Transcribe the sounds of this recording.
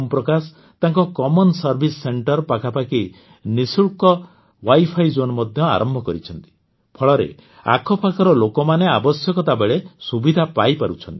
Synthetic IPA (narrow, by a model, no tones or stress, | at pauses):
mpɾɔkas | t̪aŋkɔkɔmɔnsɔɾbʱisɔːeɳʈɔɾpakʰapaki | nisuɭkɔ | wajpʰajd͡ʒonɔmɔd̪ʱjɔa̰ɾɔmbʱɔkɔɾit͡ʃʰɔnt̪i̥ | pʰɔɭɔɾḛ | a̰kʰɔpakʰɔɾɔlokɔmaneabɔsjɔkɔt̪abeɭesubid̪ʱapajpaɾut͡ʃʰɔnt̪i̥